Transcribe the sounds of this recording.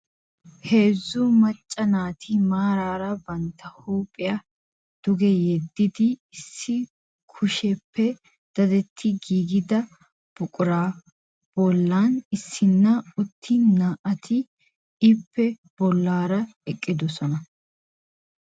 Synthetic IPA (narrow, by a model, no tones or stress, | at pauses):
he̞ːzːʊmɐt͡ʃʼːɐnaːt̪ʰɪmaːɾaːɾɐbɐnt̪ːɐhuːpʼːɪjɐ | d̪̥ʊɡɛjɛd̪ːɪd̪ɪːsːɪ | kʰʊʃɛpʰːɛ | d̪̥ɐd̪ɛt̪ʰːɪɡiːɡɪd̪ɐ | b̥ʊkʼʊɾaː | b̥ɔlːaːnɪsːɪnːɐʊt̪ʰːɪnaːʔɐt̪ʰɪ | ɪpʰːɛ | b̥ɔlːaːɾɐɛkʼːɪd̪ɔsɔnɐ